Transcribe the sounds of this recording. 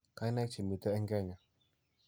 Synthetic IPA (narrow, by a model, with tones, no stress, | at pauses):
ka˨˦i˦na˦k̚t͡ʃi˨mi˨t̪ɛ˦ɛ˦ŋɡɛ˦˨ɲa˨